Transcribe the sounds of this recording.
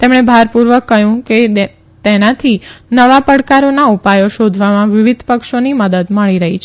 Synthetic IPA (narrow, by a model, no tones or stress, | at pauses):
t̪emɳ̃ebʱaɾpuɾʋəkːəɦjũke | t̪enat̪ʰinəʋapəɽkaɾonaupajoʃod̪ʱʋamãʋɪʋid̪ʱpəkʃoniməd̪əd̪məɭiɾəɦit͡ʃʰ